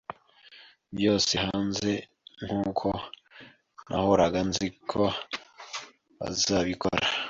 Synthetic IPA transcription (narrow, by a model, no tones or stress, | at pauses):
bjo̞ːse̞haːnze̞ | ŋhuːkʰo̞ | nʔa̰hoɾaɡanzikʰo | βa̰zaβiko̰ɾa